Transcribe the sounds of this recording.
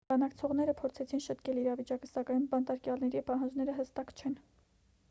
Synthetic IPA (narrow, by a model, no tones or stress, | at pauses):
bɑnɑkt͡sʰɔʁn̪ɛɾəpʰɔɾt͡sʰɛt͡sʰinʃət̪kɛliɾɑvit͡ʃɑkə̥sɑkɑjnbɑnt̪ɑɾkjɑlnɛɾipɑɦɑnd͡ʒnɛɾəɦəst̪ɑkt͡ʃʰɛn